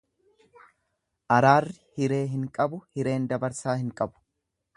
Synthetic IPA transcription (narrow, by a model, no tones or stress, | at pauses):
ʔɐɾaːrːɪhɪɾe̞ːɦɪŋkʼɐbʊhɪɾe̞ːnd̪ɐbɐɾsaːhɪŋkʼɐbʊ̥